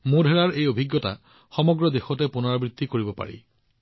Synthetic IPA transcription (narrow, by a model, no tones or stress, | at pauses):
mũdʱeɹaɹejobʱiɡːjɔta̰ | xɔmɔɡɹɔd̪exɔtepunɔɹabɹit̪ːikoɹibɔpa̰ɹḭ